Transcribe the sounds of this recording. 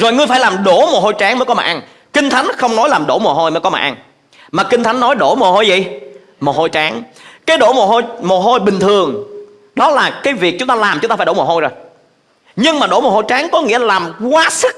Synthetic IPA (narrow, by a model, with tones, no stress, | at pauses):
zo˨˩jŋɨ˧əjfaː˧˩jlaː˨˩mɗo˧˩mo˨˩ho˧jt͡ɕaː˨˦ŋməː˨˦jkɔ˨˦ma̰ː˨˩ʔa˧n | kï˧ŋ̟t̪ʰa˨˦jŋ̟xə˧wŋ͡mnɔ˨˦jlaː˨˩mɗo̰˧˩mo˨˩ɦo˧jməː˨˦kɔ˦ma̰ː˨˩ʔa˧ŋ | maː˨˩kï˧ŋ̟t̪ʰa˨˦jŋnːɔ˨˦jɗo˧˩mo˨˩ho˧jzḭ˨˩˨ | mo˨˩ho˧jt͡ɕaː˨˦ŋkaː˨˦jɗo˧˩mo˨˩ho˧jmo˨˩ɦo˧jɓï˨˩ŋ̟t̪ʰɨ˨˩əŋ | ɗɔ˨˦laː˨˩kaː˨˦jvi˨˩ək̚t͡ɕʊ˨˦ŋ͡mt̪aː˧laː˨˩mt͡ɕʊ˦ŋ͡mt̪aː˧fːɗo˧˩m˨˩ho˧jzo˨˩j | ɲɨ˧ŋmaː˨˩ɗo̰˧˩mo˨˩ho˧jt͡ɕaː˨˦ŋkɔ˨˦ŋḭ˧˥ə˨laː˨˩mkwaː˨˦sɨ˦˥k̚